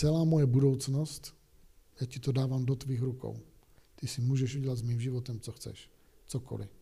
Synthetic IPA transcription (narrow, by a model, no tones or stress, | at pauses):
t͡sɛlaːmojɛbudo̞wt͡snost̪ | jaːcɪt̪odaːvaːmdot̪viːxɾuko̰w | t̪ɪsɪmuːʒɛʃʔuɟɛlad̪zmiːmʒɪvot̪ɛmt͡soxt͡sɛ̰ʃ | t͡sokʰo̰lɪ̰